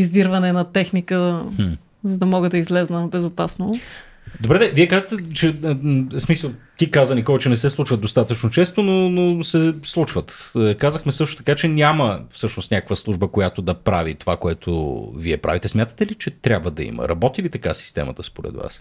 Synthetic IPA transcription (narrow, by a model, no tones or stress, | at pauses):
izd̪iɾvɐnɛnɐt̪ɛxnikə | zɐd̪ɐmɔɡəd̪ɐizlɛznəbɛzopasno | d̪obɾɛd̪ɛviɛkaʒət̪ɛt͡ʃɛsmisəlˠt̪ikazənikɔvət͡ʃɛnɛsɛslˠut͡ʃvəd̪d̪ost̪at̪ət͡ʃnot͡ʃɛst̪ononosɛslˠut͡ʃvət̪ːkazəxmɛsɤʃt̪o̥t̪ɐ̥kat͡ʃɛnʲaməfsɤʃnost̪nʲakəkvəslˠuʒbəkojat̪od̪ɐpɾa̰vit̪ovakoɛt̪ʰo̰viɛpɾa̰vit̪ɛsmʲjat̪ə̥t̪ɛlit͡ʃɛt̪ɾʲabvəd̪ɐ̰ḭmə̰ɾɐbɔt̪ivit̪ɐkasi̥st̪ɛ̰mə̰t̪əspoɾɛ̰d̪va̰s